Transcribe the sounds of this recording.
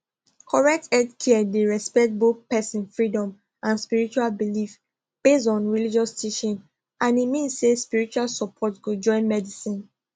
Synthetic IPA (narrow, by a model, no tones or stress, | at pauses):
kʰɔɹɛk̚tɛdkʰiɛdeɹɛspɛkt̚boθpɛsĩnfɹidɔ̃m | ʔãnspiɹit͡ʃualbilif | b̥estɔ̃nɹilid͡ʒɔstʰiʃɔ̃n | ʔãnimĩnsːespiɹit͡ʃualsɔpʰɔtɡod͡ʒɔ̃ɪ̃nmɛdisĩn